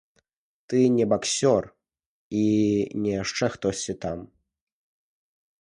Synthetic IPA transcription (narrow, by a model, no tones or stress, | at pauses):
t̪ɨnʲɛbaksʲɔr | inʲɛjaʂt͡ʂɛxt̪ɔsʲt͡sʲit̪am